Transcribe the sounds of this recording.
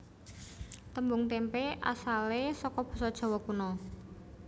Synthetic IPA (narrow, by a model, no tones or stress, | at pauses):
t̪əmbʊŋt̪empeʔa̰salesɔkɔb̥ɔ̤sɔd̥ʒ̥ɔ̤wɔkunɔ